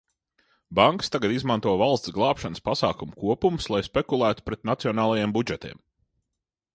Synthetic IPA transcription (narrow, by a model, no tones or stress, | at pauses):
baŋkst̪aɡad̪izmant̪uɔvalˠst̪sɡlˠɑːpʃanəspasɑːkumukuɔpumslˠajspekulˠæːt̪u̥pɾɛt̪̚nat̪siɔnaːlˠajembud͡ʒɛt̪ḭɛm